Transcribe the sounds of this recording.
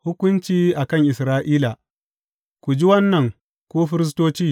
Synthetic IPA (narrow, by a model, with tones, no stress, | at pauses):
hʊ˦kʷʊ˦nt͡ʃiː˦ʔa˨kɐ˦˨ŋʔɪ˨sɾaː˦ʔiː˦la˨ | kʷu˨d͡ʒi˦wɐ˦nːɐ˨ŋ | kʷoː˦ɸɪ˦ɾɪ˦s̬toː˦t͡ʃiː˦